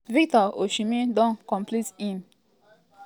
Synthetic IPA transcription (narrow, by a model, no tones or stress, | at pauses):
vik̚t̪ɔo̰ʃimid̪ɔ̃ŋkɔ̃mpʰlit̪ĩn